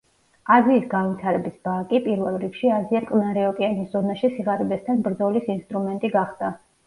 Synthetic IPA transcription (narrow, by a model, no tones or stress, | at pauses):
aziːsɡanvit̪ʰaɾɛbisb̥akʼipʼiɾvɛlˠɾikʃiaziakʼlnaɾɛɔkʼianiszɔnaʃisiʁaɾibɛst̪ʰanbɾd̪zɔlisinst̪ʼɾumɛnt̪ʼiɡaχd̪̥a